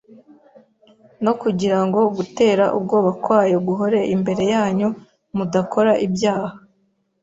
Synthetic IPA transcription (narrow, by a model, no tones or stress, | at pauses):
no̞kuɟiɾaŋɡo̞ɡute̞ːɾaʔṵbɡo̞ːβakwaːjeɡuɦo̞ɾe̞ʔimbe̞ɾe̞jaːɲo | mudakʰo̞ɾaʔibjaːha